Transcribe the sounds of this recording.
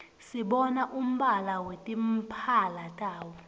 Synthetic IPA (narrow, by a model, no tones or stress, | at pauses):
siɓɔnaʔum̩ɓalawetʼim̩pʰalatʼaːwɔ